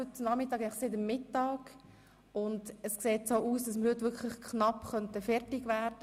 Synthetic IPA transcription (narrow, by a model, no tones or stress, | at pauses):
øtnɑmɪtːɑːɡɛɪnɪχsɪːdəmːɪtːɑːɡ | ʊndəskseːtsoːʔuːsd̥ɑsməɾhɵtʋɪkʰləχkʰnɑpχœntəfɛɾtɪɡʋæːɾd̥ə